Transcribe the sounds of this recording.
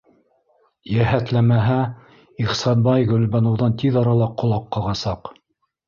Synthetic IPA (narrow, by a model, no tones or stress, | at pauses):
jæhæt̪læmæɦæ | iχsɑnbɑjɣɵ̆lβɑnŏwðɑnt̪iðɑɾɑlˠɑqːŏlˠɑqːɑlʁɑsɑq